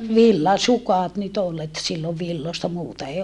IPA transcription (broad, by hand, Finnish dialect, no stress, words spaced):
ʋilːɑsukɑˑt nyt ol et silːoʋ ʋilːostɑ muːtɑ ei